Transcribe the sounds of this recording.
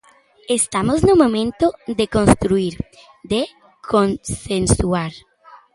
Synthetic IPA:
est̪amoznomõmẽnt̪od̪ekõnst̪ɾuiɾ | d̪e | kʰonsensuaɾ

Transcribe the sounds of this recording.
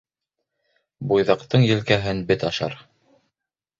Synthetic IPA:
bujðɑqt̪ɤɴjɘ̆lkæɦɘnbɘt̪ɑʃɑ̰ɾ

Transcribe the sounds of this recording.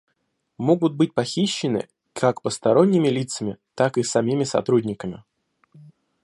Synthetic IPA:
moɡʊt̪̚bɨt̚ʲpɐxʲiɕːɪnɨ̰ | kʰakpəst̪ɐɾo̞nʲːɪmʲɪlʲit̪səmʲɪt̪akɨsɐmʲimʲɪsɐ̰t̪ɾudʲnʲɪkəmʲɪ

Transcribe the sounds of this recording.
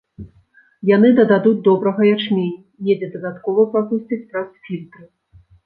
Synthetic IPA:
jan̪ɨd̪ɐd̪ad̪ud̪ɔbɾɐɣɐjat͡ʂmʲenʲː | jɛd͡zʲɛd̪ɐd̪at̪kɔvɐpɾakusʲt͡sʲit͡sʲpɾɐsfʲilʲt̪ɾɨ

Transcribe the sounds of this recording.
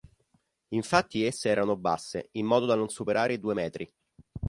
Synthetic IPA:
iɱfat̪ːiesːeɛːɾanoba̰sːeimːɔːd̪od̪anonsupeɾaːɾeid̪uːemɛːt̪ɾi

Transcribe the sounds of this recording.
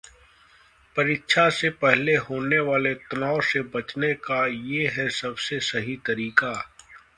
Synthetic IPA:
pɐɾɪtːʃʰasepɛɦleɦoːneʋaːlet̪ɐnaːosebɐt͡ʃnekajeɦɛsɐbsesɐɦit̪ɐɾiːka

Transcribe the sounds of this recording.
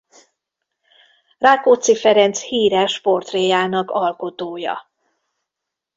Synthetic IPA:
raːkot̪sifɛɾɛnt̪shiːɾɛʃpo̞rt̪reːjaːnɒkɒlko̞t̪oːjɒ̰

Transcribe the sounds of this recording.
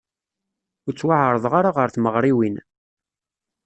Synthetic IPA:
ʊɾt͡sːwaʕɾˤəðˤʁaɾaʁəɾθməʁɾˤiwin

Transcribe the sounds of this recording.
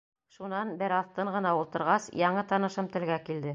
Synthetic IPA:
ʃunɑnbɘɾɑθt̪ɤɴɢɤ̆nɑulˠt̪ɤ̆ɾʁɑsjɑɴɤt̪ɑnɤ̆ʃɤmt̪ɘ̆lɡækild̪ɘ

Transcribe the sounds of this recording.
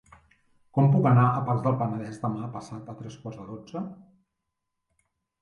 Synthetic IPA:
kɔmpukənaəpaɾzd̪əlˠpənəðɛzd̪əmapəsat̪ət̪ɾɛskwarzðəðod͡zə

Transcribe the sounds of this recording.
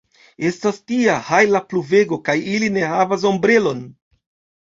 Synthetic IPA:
e̞stastiahajlapluve̞ɡo̞kajiline̞havas̬o̞mbɾe̞lo̞n

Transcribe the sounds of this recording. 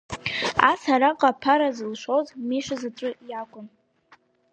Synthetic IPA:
asaɾaqʼapʰaɾazɨlʃʷowzʼmiʂʷazaʈ͡ʂʷʼʊjakʷʼʊn

